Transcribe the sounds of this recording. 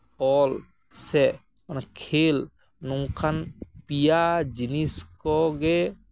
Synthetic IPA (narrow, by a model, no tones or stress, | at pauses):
ɔl | sɛ | ɔnkʰel | nɔŋkʰanpijad͡ʒiniskɔɡɛ